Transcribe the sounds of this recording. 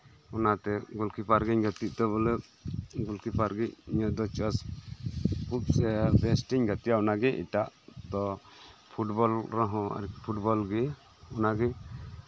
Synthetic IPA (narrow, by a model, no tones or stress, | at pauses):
ɔnat̪ɛɡɔlkipʰaɾɡiɲɡət̪iʔ̚t̪ɛβɔlɛ | ɡulkipʰaɾɡic̚iɲəd̪ɔt͡ʃas | put̪̚sɛbɛsʈiɲɡat̪ijaɔnaɡɛʔḭʈaʔd̪ɔ | pʰuʈbɔlɾɔɦɔ̃a̰ɾipʰuʈbɔlɡi | ɔnaɡɛ